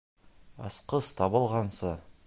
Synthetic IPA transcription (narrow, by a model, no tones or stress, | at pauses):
ɑ̰sqəst̪ʰɑbəlˠʁɑnsə